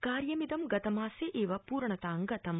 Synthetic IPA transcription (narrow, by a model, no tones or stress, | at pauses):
kaːɾjɐmid̪ɐmɡɐt̪ɐmaːseʔeːʋɐpuːɾɳɐt̪aːŋɡɐt̪ɐm